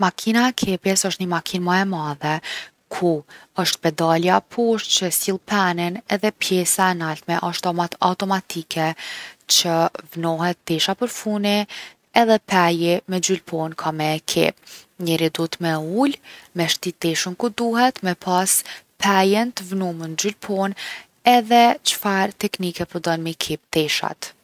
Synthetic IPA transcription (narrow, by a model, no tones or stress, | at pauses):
makʰinaɛkʰɛpjɛsəʃt̪ɲəmakʰinmaɛmaðɛ | kʰuəʃt̪̚pɛd̪aljapʰɔʃt͡ɕəsilˠpʰɛninɛðɛpjɛsaɛnalt̪mɛʔəʃt̪ɔmat̪a̰t̪ɔmat̪ikʰɛt͡ɕəvnɔɦɛt̪̚d̪ɛʃapəɾfuni | ɛðɛpɛjimɛd͡ʒylpʰɔnkʰamɛːkʰḭp̚ɲɛɾid̪ut̪mɛulmɛʃt̪it̪ɛʃəmkud̪uɦɛt̪mɛpʰaspʰajɛnt̪əvnumənd͡ʑylpʰɔn | ɛðɛt͡ʃə̥faɾt̪ɛknikɛpəɾd̪ɔnmikʰip̚d̪̥ɛʃa̰t̪